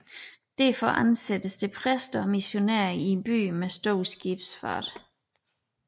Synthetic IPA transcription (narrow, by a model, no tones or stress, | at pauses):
d̥æɐfɒʔænsed̥əsd̥e̝pʰʁɛsd̥ɐɒ̽miɕo̝næɐ̰ienb̥y̰ːmesd̥ɔʊ̰sɡ̥ib̥sfɑ̰̈ːd̥